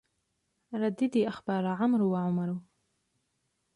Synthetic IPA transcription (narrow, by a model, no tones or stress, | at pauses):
ɾˤɑd̪ːɪd̪iːʔaxbɑːɾˤaʕamɾwaʕʊmaɾˤ